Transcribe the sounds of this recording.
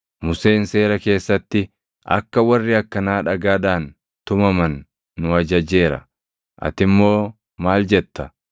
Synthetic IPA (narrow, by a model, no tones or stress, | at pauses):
mʊse̞ːnse̞ːɾɐke̞ːsːɐt̪ːɪ | ʔɐ̰kːɐwɐrːɪɐkːɐnaːᶑɐɡaːd̪aːn | t̪ʊmɐmɐnː | ʊɐd͡ʒɐd͡ʒe̞ːɾɐ̰ | ʔɐ̰t̪ɪmːo̞ː | maːld͡ʒɛt̪ːɐ